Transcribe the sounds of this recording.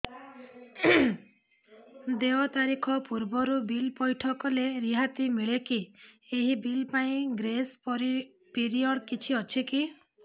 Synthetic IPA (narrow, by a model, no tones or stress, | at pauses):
d̪eɔt̪aɾikʰɔpuɾbɔɾubilpɔjʈʰɔkɔleɾiɦat̪imiɭekieɦibilpaĩɡɾespɔɾi | piɾiɔɽkit͡ʃʰiɔt͡ʃʰiki